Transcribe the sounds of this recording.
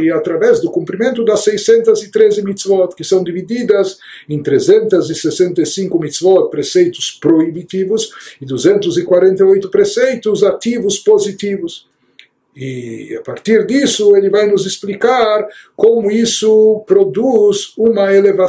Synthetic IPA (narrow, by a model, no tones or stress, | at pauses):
ɪat̪ɾavɛzd̪ʊkũmpɾimẽnt̪ʊd̪ɐsːejsẽnt̪ɐzɪt̪ɾezɪmit̪svɔt̪kɪsɐ̃w̃d̪ivid̪id̪ɐz | ẽnt̪ɾezẽnt̪ɐzɪsesẽnt̪ɐsĩŋkʊmit̪svɔt̪̚pɾesejt̪ʊ̥spɾoibit̪ivʊzɪd̪uzẽnt̪ʊzikwaɾẽnt̪ɐojt̪ʊpɾesejt̪ʊzat̪ivʊspozit̪ivʊs | ia̰paɾt̪iɾd̪isʊelɪvajnʊzɪsplikaɾkomʊisʊpɾod̪uzumɐeleva